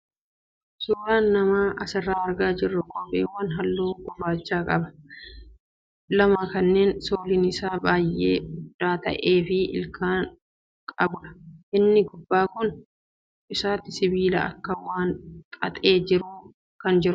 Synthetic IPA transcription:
suːɾaːnːɐmaːʔɐsɪrːaːɐɾɡaːd͡ʒɪrːʊkʼɔpʼːḛːwːɐnɦɐlːoːɡɔbaːt͡ʃːaːkʼɐ̰bɐ̥ | lɐmɐkɐnːe̞ːnsoːlɪnɪsaːbaːjʔḛːʊd̪̥ːaːt̪ɐ̰ʔeːfɪɪ̰lkʰaːn | kʼɐbʊɾɐ̥ʔɪnːɪɡʊbːaːkʊn | ɪsaːt̪ɪsɪbiːlɐ̰ʔɐ̰kːɐwaːnt̪ʼɐt̪ʼe̞ːd͡ʒɪɾʊ | kɐnd͡ʒɪɾʊ

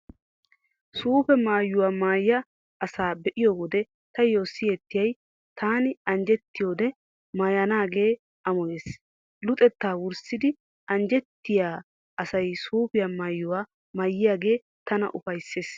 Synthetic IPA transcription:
suːpɛmaːjːʊwaːmaːjjɐ | ɐsaːbɛʔɪjoːwɔd̪ɛ | t̪ɐjo̞ːsːɪjɛt̪ːɪjɐj | t̪ʰaːnɪɐnd͡ʒɛt̪ːɪjo̞ːd̪ɛ | maːjɐnaːɡe̞ː | ɐmɔjeːs | lʊt̪ʼɛt̪ːaːwʊɾsɪd̪ɪ | ʔɐnd͡ʒɛt̪ːɪjaː | ɐsɐjsuːpɪjamaːjːʊwaː | maːjːɪjaːɡe̞ː | t̪ɐnɐ̰ʔʊfɐjsːeːs

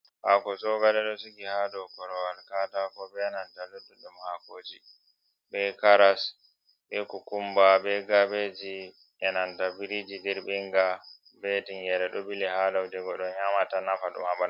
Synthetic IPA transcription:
ha̰kɔsɔɡaɗɛɗɔsiɡihadɔwkɔɾɔwalkatakɔbɛnantaludːuɗɛmhakoːd͡ʒi | bɛkaɾas | ɓɛkukumbabɛɡabed͡ʒi | ɛnantabiɾid͡ʒidɛɾbiŋɡa | bɛtiŋɡɛɾɛɗɔbilɛhadawdɛɡɔɗɔnɲamatanafaɗṵmaɓan

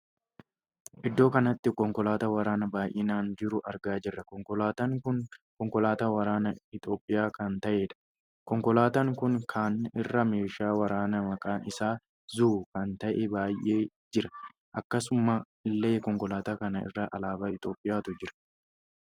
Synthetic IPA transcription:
ʔɪd̪ːo̞ːkɐnɐt̪ːɪkɔŋkʼɔlaːt̪ɐwɐɾaːnɐbaːjʔɪnaːnd͡ʒɪɾʊʔɐɾɡaːd͡ʒɪrːɐkɔŋkɔlaːt̪ɐŋkʊnkɔŋkɔlaːt̪awɐɾaːnɐɪt̪ʼo̞ːpʼːɪjaːkɐnt̪ɐʔeːᶑɐ̥ | kɔŋkɔlaːt̪ɐŋkʊŋkʰaːnːɪrːɐme̞ːʃaːwɐɾaːnɐmɐkʼaːnɪsaː | zuːkɐnt̪ɐʔɛbaːjʔeː | d͡ʒɪɾɐ | ʔɐkːɐsʊmaː | ɪlːeːkɔŋkɔlaːt̪aːkɐnɐɪ̰rːɐʔɐlaːbaːɪt̪ʼo̞ːpʼːɪjaːt̪ʊd͡ʒɪɾɐ̥

